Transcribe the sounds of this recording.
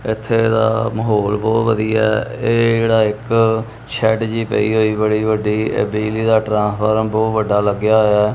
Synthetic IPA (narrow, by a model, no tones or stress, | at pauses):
ɪt̪ʰːeːd̪a̰ːməɦoːlbɔːt̪ʋəd̪iːɛ̰ːeːd͡ʒeːɽaːɪk | t͡ʃʰɛːʈd͡ʒiːpə̰iːɦoːiːbəɽiːʋəɖiːḛbiːliːd̪aːʈɾãːspʰəɾəmbɔːt̪ʋəɖaːləɡjaːɦojaː